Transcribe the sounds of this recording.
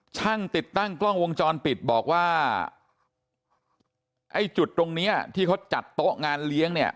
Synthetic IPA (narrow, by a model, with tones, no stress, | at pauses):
t͡ɕʰa˥˩ŋt̪i˨˩t̪ːa˥˩ŋklɔ˥˩ŋwo˧ŋt͡ɕɔː˧npi˨˩t̪̚bɔː˨˩k̚waː˥˩ | ʔa˧˩jt͡ɕu˨˩t̪ːɾo˧ŋni˦˥ɐt̪ʰiː˥˩kʰa˦˥wt͡ɕa˨˩t̪ːo˦˥ʔŋaː˧nli˦˥əŋni˥˩ɐ